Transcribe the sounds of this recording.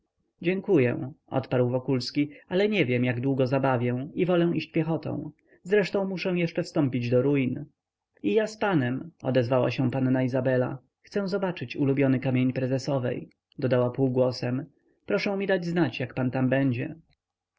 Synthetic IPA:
d͡ʑɛŋkujɛ̰̃ʔɔ̰t̪paɾwvɔkulskʲialɛɲɛvʲjɛmjaɡd̪wuɡɔzabavʲjɛ̃ivɔlɛw̃iɕt͡ɕpʲjɛxɔt̪ɔ̰̃w̃ | zɾɛʂt̪ɔ̃w̃muʂɛ̃w̃jɛʂt͡ʂɛfst̪ɔ̃mpʲid͡ʑd̪ɔɾujn | ijaspanɛmɔ̰d̪ɛzvawa̰ɕɛ̃panːaizabɛla̰ | xt̪sɛw̃zɔbat͡ʂɘt͡ɕulubʲjɔnɘkamʲjeɲpɾɛzɛsɔvɛ̰j | d̪ɔd̪awapuwɡwɔsɛm | pɾɔʂɛ̃w̃mʲid̪ad͡ʑznat͡ɕjakpant̪ambɛɲd͡ʑɛ

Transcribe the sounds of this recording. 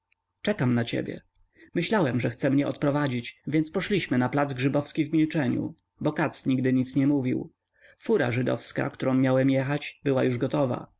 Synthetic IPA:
t͡ʂɛkamnat͡ɕɛ̰bʲjɛ̰ | mɘɕlawɛmʐɛxt̪sɛmɲɛʔɔt̪̚pɾɔvad͡ʑit͡ɕvʲjɛnt̪spɔʂlʲiɕmɘnaplad̪zɡʐɘbɔfskʲivmʲilt͡ʂɛɲṵ | bɔkat̪sɲiɡd̪ɘɲit̪sɲɛmuvʲḭw | fuɾa̰ʐɘd̪ɔ̰fska̰kt̪uɾɔ̃w̃mːjawɛmjɛxat͡ɕbɘwajuʐɡɔt̪ɔva̰

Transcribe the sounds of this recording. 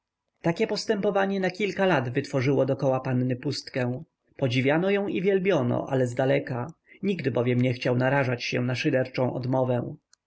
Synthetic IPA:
t̪akʲɛpɔst̪ɛmpɔvaɲɛnakʲilkalad̪vɘt̪fɔʐɘwɔd̪ɔkɔwapanːɘpust̪kɛ̃w̃ | pɔd͡ʑivʲjanɔjɔ̃w̃ivʲjɛlbʲjɔnɔ̰ʔa̰lɛzd̪alɛka | ɲiɡd̪ɘbɔvʲjɛmɲɛxt͡ɕawnaɾaʐat͡ɕɕɛ̰naʂɘd̪ɛɾt͡ʂɔ̃w̃ʔɔ̰d̪mɔvɛw̃

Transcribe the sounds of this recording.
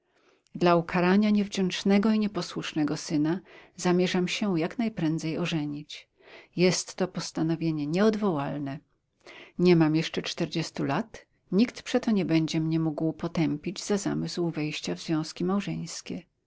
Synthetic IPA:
d̪laukʰaɾaɲaɲɛvd͡ʑɛ̃nt͡ʂnɛɡɔiɲɛpɔswuʂnɛɡɔsɘnazamʲjɛʐamɕɛjaknajpɾɛnd̪zɛjɔʐɛɲit͡ɕ | jɛst̪ːɔpɔst̪anɔvʲjeɲɛɲɛɔd̪vɔwalnɛ | ɲɛmamjɛʂt͡ʂɛt͡ʂt̪ɛɾd͡ʑɛst̪ulat̪ | ɲikt̪pʂɛt̪ɔɲɛbɛɲd͡ʑɛmɲɛmuɡwpɔt̪ɛmpʲid͡ʑz̥aza̰mɨswvɛjɕt͡ɕavzvʲjɔ̃w̃skʲimawʐɛ̰̃j̃skʲɛ

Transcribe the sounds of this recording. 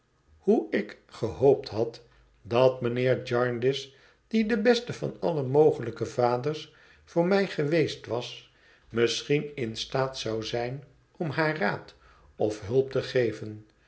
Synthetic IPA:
huɪk | χəɦowptɦɑt | dɑtmənɪːɹd͡ʒɑɹndɪs | d̥idəbɛstəvɑ̰nɑ̰ləmowχələkəvaːdəɹs | fʊːɹmɛjχəʋejstʋɑs | məsχinɪnstaːtsɑwzɛjn | ɔmɦaːraːt | ɔfɦɵlˠp̚təχejvən

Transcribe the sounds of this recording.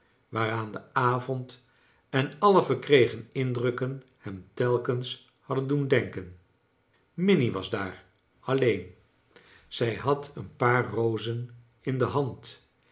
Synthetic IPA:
ʋaːɾaːndəaːvɔnt | ɛnɑləvəɹkrejχənɪndrɵkən | hɛmtɛlˠkəns | hɑdəndundɛŋkən | mɪniʋɑ̰zdaːɹ | ɑlejn | z̥ɛjɦɑtʰənpaːɹrowzən | ɪndəɦɑnt

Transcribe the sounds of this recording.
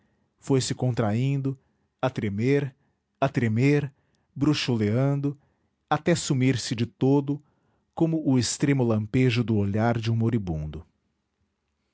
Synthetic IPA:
fojsɪkõnt̪ɾaĩnd̪ʊ | at̪ɾemeɾ | at̪ɾemeɾ | bɾuʃoleɐ̃nd̪ʊ | at̪ɛsumiɾsɪd͡ʒɪt̪od̪ʊ | kõmʊʔʊest̪ɾẽmʊlɐ̃peʒʊd̪ʊoʎaɾd͡ʒɪũmoɾibũnd̪ʊ

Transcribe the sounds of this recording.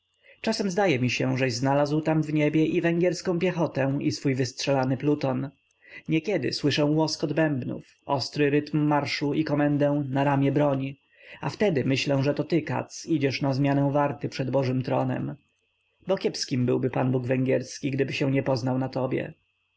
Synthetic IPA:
t͡ʂasɛmzd̪ajɛmʲiɕɛʐɛʑznalazwt̪amvɲebʲjɛʔivɛŋɡʲjɛɾskɔ̃w̃pʲjɛxɔt̪ɛ̃isfujvɘstʂɛlanɘplut̪ɔn | ɲɛkʲɛd̪ɘ̰swɘʂɛ̃w̃wɔskɔd̪bɛmbnṵf | ɔst̪ɾɘɾɘt̪mːaɾʂuikɔmɛnd̪ɛ̃w̃naɾamʲjɛbɾɔɲ | aft̪ɛd̪ɘmɘɕlɛw̃ʐɛt̪ɔt̪ɘka̰t̪sid͡ʑɛʂnazmʲjanɛw̃vaɾt̪ɘpʂɛd̪bɔʐɘmt̪ɾɔnɛ̰m | bɔkʲjɛpskʲimbɘwbɘpanbuɡvɛŋɡʲjɛɾskʲiɡd̪ɘbɘɕɛ̃ɲɛpɔznawnat̪ɔbʲjɛ̰

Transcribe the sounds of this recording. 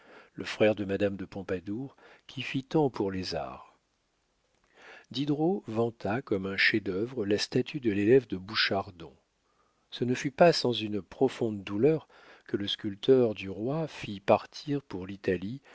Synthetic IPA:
ləfχɛʁd̪əmad̪amd̪əpɔ̃pad̪uʁkʲʰifit̪ɑ̃puʁleza̰ʁ | d̪id̪ʁovɑ̃t̪ʰakɔmɛ̃ʃed̪œvʁəlast̪at̪yd̪əlelɛvd̪əbuʃaʁd̪ɔ̰̃ | sənəfypasɑ̃zynpχɔfɔ̃d̪ːulœʁ | kələskʲylt̪œʁd̪yʁwafipaʁt̪ʰiʁpuʁlit̪ali

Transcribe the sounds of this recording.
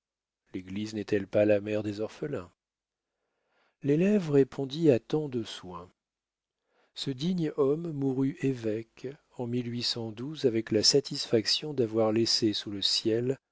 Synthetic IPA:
leɡliznɛt̪ɛlpalamɛʁd̪ezɔʁfəlɛ̃ | lelɛvʁepʰɔ̃d̪iat̪ɑ̃d̪əswɛ̃ | səd̪iɲɔmːuʁyʔevɛk | ɑ̃milɥisɑ̃d̪uzavɛklasat̪ʰisfaksjɔ̃d̪avwaʁlesesuləsjɛl

